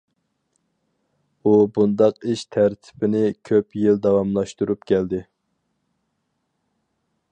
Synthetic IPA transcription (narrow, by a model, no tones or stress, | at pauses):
ubund̪ɑqiʃt̪ʰæɾt̪ʰɪ̥bɪnɪkʲʰøpjild̪ɑwɑmlˠɑʃt̪uɾupkʲʰɛld̪ɪ